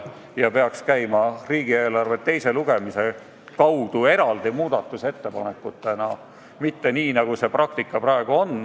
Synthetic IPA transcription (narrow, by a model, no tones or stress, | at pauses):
jɑpe̞ɑkskæjmɑriːɡ̥ie̞ːlɑrve̞t̪ːe̞jse̞luɡ̥e̞mise̞ | kɑwd̪̥ue̞ɾɑld̪̥imuːd̪̥ɑt̪ːˑuse̞t̪ːe̞pɑ̰ne̞kːˑut̪ːˑenɑ | mit̪ːe̞niːnɑɡ̥use̞prɑk̚t̪ikːɑprɑeɡ̥uo̞n